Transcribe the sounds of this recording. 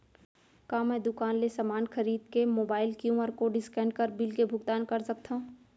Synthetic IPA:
kaːmɛ̃ːd̪ʊkaːnlesamaːnxɐɾiːd̪kemoːbaːɪlkjũməɾkoɖɪskɛ̃ːɳɖkəɾbɪlkebʱʊɡt̪aːnkɐɾsɐk̚t̪ʰaũ

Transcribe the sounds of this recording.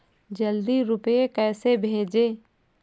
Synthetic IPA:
d͡ʒəld̪iɾʊpekɛːsebʱeːd͡ʒeː

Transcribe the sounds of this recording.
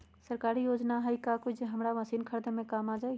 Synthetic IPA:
səɾkaːɾijoːd͡ʒnaɦəikakod͡ʒeɦəmɾaʋəsiːnkʰəɾd̪emẽkaːmad͡ʒai

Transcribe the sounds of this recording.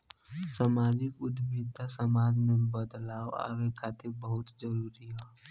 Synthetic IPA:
sɐmaːd͡ʒɪkʊd̪miːd̪asəmaːd͡ʒmẽbəd̪laːoa̰ːʋekʰaːt̪ebəɦʊt̪zəɾuːɾiɦɛː

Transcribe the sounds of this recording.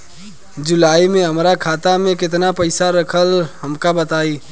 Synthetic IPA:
d͡ʒʊlaːimẽɦəmɾakʰaːt̪amẽkɪt̪̬napɐɪsaɾəkʰəlhəmkabət̪aːiː

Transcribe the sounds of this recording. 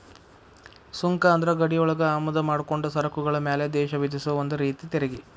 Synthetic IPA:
suŋkɐːnd̪ɐɾɐɡɐɽijɔɭɐɡɐaːmɐd̪ɐmaːɽukoɳɖusɐɾɐkuɡɐɭɐmeːled̪ɛːʃɐʋid̪isuʋɐond̪uɾiːt̪it̪eɾeɡi

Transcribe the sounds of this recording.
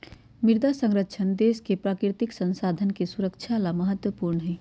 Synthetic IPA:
mɪɾd̪asə̃ŋɾəʃʰənd̪eːskepɾaːkɾɪt̪ɪksə̃nsaːd̪ʱənkesuɾəkt͡ʃʰalaməɦət̪wəpuːɾɳəɦɛː

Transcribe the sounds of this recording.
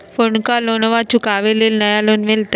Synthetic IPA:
foɳkalonʋat͡ɕukaʋelelnəjalonʋelt̪ə

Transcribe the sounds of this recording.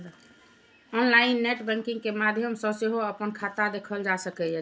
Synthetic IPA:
ɔnlaɪnːeʈbɛ̃ŋkĩŋɡkemad̪ʱjəmsə̃seɦoəpənkʰat̪ad̪ekʰəld͡ʒasəkɛjə

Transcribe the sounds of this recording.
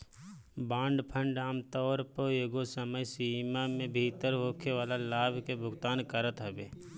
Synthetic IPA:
bãːɳɖpʰə̃ɳɖaːmt̪ɔːɾpəeːɡosəməjsiːmamẽbʱiːt̪əɾɦoːkʰeʋaːlalaːbʱkebʱʊɡt̪aːnkəɾət̪ɦɛbeː

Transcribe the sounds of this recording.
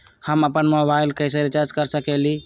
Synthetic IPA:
həməpənmobaɪlkəjs̬əɾet͡ʃaɾd͡ʒkəɾsəkɛli

